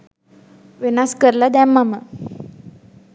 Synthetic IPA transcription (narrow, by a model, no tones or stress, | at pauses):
ʋinaskəɾlad̪ɛmːamə